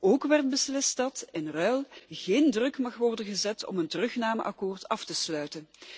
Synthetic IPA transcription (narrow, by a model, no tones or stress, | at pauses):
oːkʋɛrt̚bəslɪstdɑtɪnrœlˠɣeːndrɵkmɑχʋɔrdənɣəzɛtɔ̰məntərɵxnaːmə̰ʔɑkoːrtɑftəslœɥtən